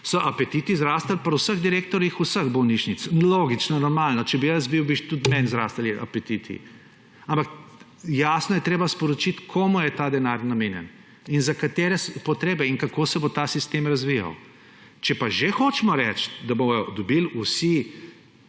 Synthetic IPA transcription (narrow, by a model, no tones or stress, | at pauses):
sɔʔɐpɛt̪it̪izɾaːst̪alpɐɾusəɣd̪iɾeːkt̪ɔɾjixusəɣbɔwniʃnit̪sloːɡit͡ʃnɔnɔɾmaːlnɔt͡ʃɛbijəsbiwbiʃt̪ut̪mɛnzɾa̰st̪aliʔɐ̰pet̪it̪ʰḭ | ampak | jaːsnɔjɛt̪ɾeːbaspɔɾɔt͡ʃit̪kʰoːmujɛt̪ad̪ɛnaɾnamenjɛ̰n | inzakat̪eːɾɛspɔt̪ɾeːbɛiŋkakoːsɛbot̪asist̪emɾɐzʋija̰w | t͡ʃɛpaʒexot͡ʃɛmɔɾɛt͡ʃt̪d̪abomɔjɔd̪ɔbilusi